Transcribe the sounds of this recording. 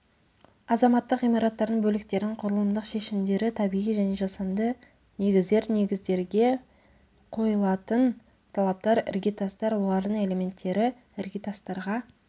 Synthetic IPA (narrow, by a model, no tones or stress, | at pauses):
ɑzɑmɑt̪ːəqijmɑɾɑt̪ːɑɾd̪əɴbɵlɪkt̪e̞ɾd̪ɪɴqʰʊɾəlˠəmd̪əqʃe̞ʃɪmd̪e̞ɾɪt̪ʰɑbijijʒæne̞ʒɑsɑnd̪ə | ne̞ɡʲɪzd̪e̞ɾne̞ɡʲɪzd̪e̞ɾɡʲe̞ | qʰo̞jəlˠɑt̪ən | t̪ʰɑlˠɑp̚t̪ɑɾɪ̰ɾɡʲit̪ɑst̪ɑɾwo̞lˠɑɾd̪əɴe̞le̞me̞nt̪ʰːe̞ɾɪ | ɪɾɡʲit̪ast̪ɑɾʁɑ